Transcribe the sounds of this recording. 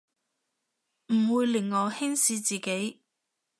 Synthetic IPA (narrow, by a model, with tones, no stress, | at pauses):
m̩˨˩wuː˨˧jlɪ˨˩ŋːɔː˨˧hɪ˥ŋsiː˨˧t͡siː˨˩ke˨˥j